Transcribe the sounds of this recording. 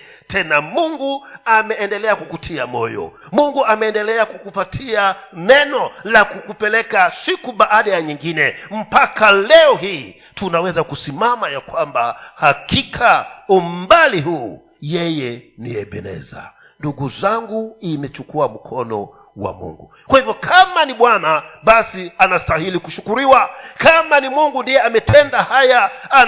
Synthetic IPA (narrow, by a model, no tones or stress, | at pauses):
tɛnamuŋɡuamɛːndɛlɛakukutʰiamɔjɔ̰ | muŋɡuamɛːndɛlɛakukupatʰianɛnɔlakukupɛlɛkasikuɓaʔaɗajaɲiŋɡinɛm̩pakalɛɔɦiː | tunawɛzakusimamajakwambahakikʰaum̩baliɦuː | jɛjɛniɛɓɛ̰nɛ̰za̰ | nduɡuzaŋɡuimɛt͡ʃukuam̩kʰɔnɔ̰ | wa̰mṵŋɡṵ | kwahivjɔkʰamaniɓwanaɓasianastahilikuʃukuɾiwakamanimuŋɡundijɛamɛtʰɛndahaja